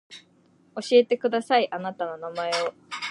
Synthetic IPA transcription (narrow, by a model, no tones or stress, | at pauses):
o̞ɕie̞t̪e̞kɯ̟d̪asaiʔanat̪ano̞namae̞o̞